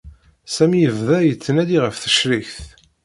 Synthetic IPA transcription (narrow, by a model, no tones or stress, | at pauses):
sæmijəvðæjət͡sːənæd̪iʁəfθə̥ʃɾiçθ